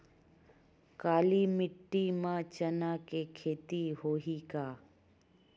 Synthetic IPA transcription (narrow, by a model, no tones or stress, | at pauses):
kaːlimɪʈːimãt͡ʃənaːkekʰeːt̪iɦoːɦikaː